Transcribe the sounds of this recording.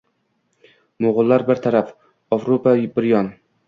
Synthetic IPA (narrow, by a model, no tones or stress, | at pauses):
moʁʊlˠːaɾbɪɾt̪ʰaɾaf | ɒvɾopabɪɾjɒn